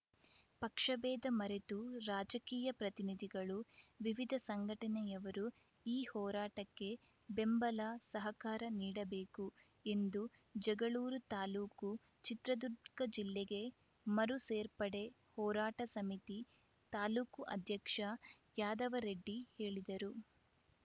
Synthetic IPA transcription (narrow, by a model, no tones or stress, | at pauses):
pɐkʂɐʋɛːd̪ɐmɐɾet̪uɾaːd͡ʒɐkiːjɐpɾɐt̪inid̪ʱiɡɐɭuʋiʋid̪ʱɐsɐŋɡʱɐʈɐnɛjɐʋɐɾu | iːhɔːɾaːʈɐkːe̞ | be̞mbɐlɐsɐɦɐkaːɾɐniːɽɐbeːku | e̞nd̪u | d͡ʒɛɡɐɭuːɾut̪aːluːku | t͡ʃit̪ɾɐd̪uɾkɐd͡ʒilːeɡe̞ | mɐɾuseːɾpɐɽe̞ | hɔːɾaːʈɐsɐmit̪i | t̪aːluːkuʔɐ̰d̪ʱjɐkʂɐ | jaːd̪ɐʋɐɾeɖːihe̞ːɭid̪ɐɾu